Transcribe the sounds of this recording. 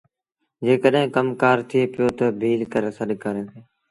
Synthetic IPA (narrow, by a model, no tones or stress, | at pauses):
d͡ʒeːkəɗɦẽːkəmkaːɾt̪ʰieːpɪjoːt̪oːbʱiːlkəɾeːsəɗkaɾẽːseː